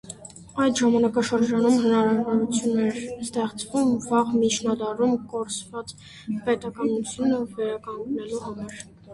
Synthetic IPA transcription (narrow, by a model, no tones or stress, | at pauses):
ɑjt̪ʒɑmɑnɑkɑʃəɾd͡ʒɑnumɦənɑɾɑvɔɾut͡sʰjunɛɾst̪ɛχt͡svumvɑʁmit͡ʃʰnɑd̪ɑrumkɔɾt͡svɑt͡s | pɛt̪ɑkɑnut͡sʰjunəvɛɾɑkɑŋɡnɛluhɑmɑɾ